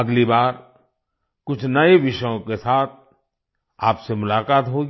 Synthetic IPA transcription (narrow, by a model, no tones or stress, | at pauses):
ɐɡlibaːɾ | kʊt͡ʃʰnɐeʋɪʃəjõkesaːt̪̚ʰ | aːpsemʊlaːkaːt̪ɦoːɡi